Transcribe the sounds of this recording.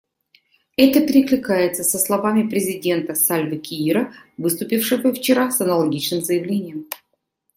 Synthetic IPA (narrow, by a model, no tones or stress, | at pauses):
ɛt̪əpʲɪɾʲɪklʲɪkajɪt̪səsəslˠɐvamʲɪpɾʲɪzʲɪdʲe̞nt̪əsalʲvəkʲɪiɾəvɨst̪ʊpʲifʂɨvəft͡ɕɪɾasɐnəlˠɐɡʲit͡ɕnɨmzəjɪvlʲenʲɪjəm